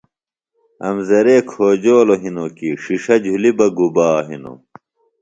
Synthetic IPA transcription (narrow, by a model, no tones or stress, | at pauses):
ɐ̰mzɐɾeːkʰoːd͡ʑoːloɦinokiʂiʂɐd͡ʑʱulibɐɡubaːɦḭno̰